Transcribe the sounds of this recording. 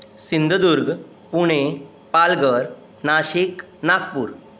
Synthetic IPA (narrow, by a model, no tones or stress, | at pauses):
sind̪ʱəd̪uɾɡ | puɽ̃e | palɡəɾ | naɕik | nak̚puːɾ